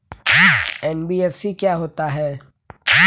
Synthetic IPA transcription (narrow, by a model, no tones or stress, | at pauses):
ɛːnbiɛːfsikjaɦoːt̪aɦɛː